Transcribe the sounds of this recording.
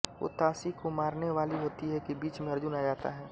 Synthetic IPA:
ʋo̰ːt̪aːsikomaːɾneʋaːliɦoːt̪iɦɛkibiːt͡ʃmẽɐɾd͡ʒʊnad͡ʒaːt̪a̰ɦɛː

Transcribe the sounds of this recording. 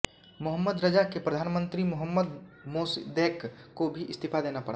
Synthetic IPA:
mʊɦəmːəd̪ɾəd͡ʒakepɾɐd̪ʱaːnmə̃nt̪ɾimʊɦəmːəd̪moːsḭd̪eːkkobʱiʔɪst̪ʰipʰad̪eːnapɐɽ̤a

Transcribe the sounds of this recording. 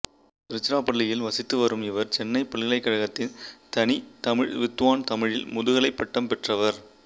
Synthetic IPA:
ɪɾɯt͡ʃːɪɾaːpɐɭːɪjɪlʋɐsɪt̪ːɯʋɐɾɯmɪʋɐɾt͡ʃɛnːɐɪpːɐɭɣɐɭɐɪkːɐɻɐɣɐt̪ːɪnt̪ɐnit̪ɐmɪɻʋɪt̪ːʋaːnt̪ɐmɪɻɪlmʊðʊɣɐɭɐɪpːɐʈːɐmpɛʈrɐʋɐɾ

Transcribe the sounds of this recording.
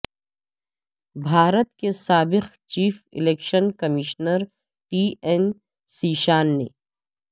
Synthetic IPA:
bʱaːɾət̪kesaːbɪqt͡ʃiːfɪ̰leːkʃənkɐmiʃnəɾ | ʈiːɛn | siːʃaːnːḛː

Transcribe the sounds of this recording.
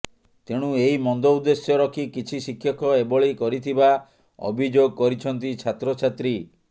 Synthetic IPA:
t̪eɽ̃ũeimɔnd̪ɔud̪esjɔɾɔkʰikit͡ʃʰisikʰjɔkʰɔebɔɭikɔɾit̪ʰiba | ɔ̰bʱid͡ʒoɡɔkɔɾit͡ʃʰɔnt̪̬it͡ʃʰat̪ɾɔt͡ʃʰat̪ɾi

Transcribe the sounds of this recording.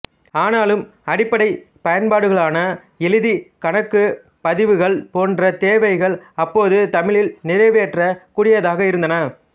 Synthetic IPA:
aːnaːlɯm | ɐɽɪpːɐɽɐɪ | pɐjɐnpaːɽɯɣɐɭaːnɐ | ɛlɯðikɐɳɐkːɯ | pɐðɪʋɯɣɐɭpoːndrɐt̪eːʋɐɪɣɐɭɐpːoːðɯt̪ɐmɪɭɪlnɪɾɐɪʋeːʈrɐkuːɽɪjɐðaːɣɐɪɾɯnd̪ɐnɐ

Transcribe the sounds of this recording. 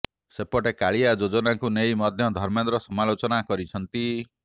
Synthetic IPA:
sepɔʈekaɭiad͡ʒod͡ʒonaŋkunejmɔd̪ʱjɔd̪ʱɔɾmend̪ɾɔsɔmalot͡ʃɔnakɔɾit͡ʃʰɔnt̪i

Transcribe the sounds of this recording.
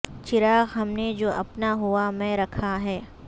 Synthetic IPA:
t͡ʃɪɾaːɣɦɐmned͡ʒoːʔɐpnaɦuamɛ̃ɾɐkʰaɦɛː

